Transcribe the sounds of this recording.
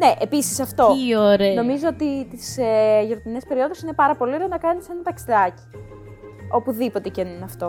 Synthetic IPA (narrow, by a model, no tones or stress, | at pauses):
ne̞ʔepisi̥sɐft̪o̞oɾeno̞mizo̞ot̪it̪iseʝoɾot̪ine̞spe̞ɾio̞ðo̞sine̞pɐɾɐpo̞lio̞ɾeonɐkɐnisenɐt̪ɐksiðɐci̥ | o̞puðipo̞t̪e̞cenunɐft̪o̞